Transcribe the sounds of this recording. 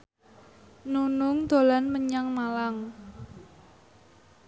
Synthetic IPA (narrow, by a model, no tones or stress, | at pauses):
nunʊŋd̪̥o̤lanməɲaŋmalaŋ